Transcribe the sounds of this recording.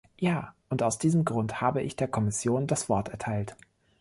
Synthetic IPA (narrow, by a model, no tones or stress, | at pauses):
jaːʔʊntaʊsd̥iːzəmɡʁʊnthaːbəʔɪçd̥eːɐkʰɔmɪsjoːndasv̥ɔɐtɛɐtʰaɪlt